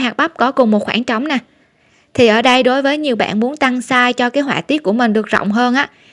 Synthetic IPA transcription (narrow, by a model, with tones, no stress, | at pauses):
ɦaː˨˩k̚ɓa˦˥p̚kɔ˨˦kʊ˨˩ŋ͡mmo˨˩t̚xwaː˧˩nt͡ɕə˨˦wŋ͡mna˨˩ | t̪ʰi˨˩ʔəː˧˩ɗə˧jɗo˨˦jvəː˨˦jɲi˨˩əwɓa̰ː˧˨nmu˨˦ənt̪a˧ŋsaː˧jt͡ɕɔ˧kaː˨˦jɦwaː˧˩t̪i˦˥ət̚ku˧˩əmï˨˩ŋ̟ɗɨ˨˩ək̚zə̰˧˨wŋ͡mɦəː˧nʔaː˧˥